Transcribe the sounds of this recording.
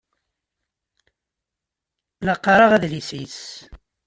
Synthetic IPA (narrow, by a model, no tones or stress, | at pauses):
lɑqːɑɾˤɑʁæðlisis